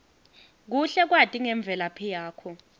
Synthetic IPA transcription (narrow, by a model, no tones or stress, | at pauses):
k̬uɬɛk̬watʼiŋɛɱb̪vʱɛlapʰijaːkʰɔ